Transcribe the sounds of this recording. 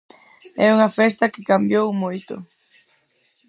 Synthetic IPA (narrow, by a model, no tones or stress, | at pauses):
ɛuŋɐfɛst̪ɐkɪkambjowmojt̪ʊ̰